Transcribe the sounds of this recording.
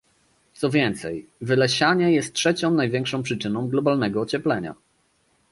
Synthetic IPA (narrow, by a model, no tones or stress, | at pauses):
t̪sɔvʲjɛnt̪sɛ̰jvɘlɛɕaɲɛjɛst̪̚tʂɛt͡ɕɔ̃w̃najvʲjɛŋkʂɔ̃w̃pʂɘt͡ʂɘnɔ̃w̃ɡlɔbalnɛɡɔːt͡ɕɛplɛɲa̰